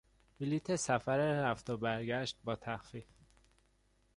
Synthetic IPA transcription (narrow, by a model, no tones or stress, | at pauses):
bilit̪ʰesæfæɾeɾæft̪obæɾɟæʃt̪̚bɒːt̪ʰæxfif